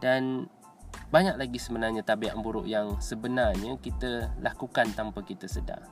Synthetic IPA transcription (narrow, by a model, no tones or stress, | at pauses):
dan | baɲak̚laɡisəbənarɲat̪abiaʔmbuɾʊ̰ʔjaŋsəbənarɲəkit̪əlakukant̪ampəkit̪əsəda̰